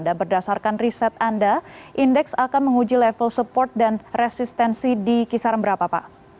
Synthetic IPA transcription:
ndabərdasarkanrisɛt̪andaʔindɛksakanməŋud͡ʒilɛfəlsəpɔrt̪̚danrɛsist̪ɛnsidikisaɾəmbəɾapapa̰

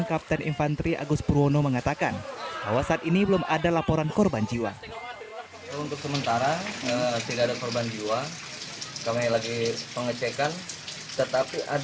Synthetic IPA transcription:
nkap̚t̪ɛnʔḭnfant̪ɾiʔa̰ɡʊspuɾonoməŋat̪akanb̥a̰wasaːt̪inibəlʊmadalapɔɾankɔrband͡ʒiwa̰ | unt̪ʊksəmənt̪aɾaət̪idaʔadakɔrband͡ʒiwa | kamilaɡipəŋət͡ʃekan | t̪ət̪apiʔa

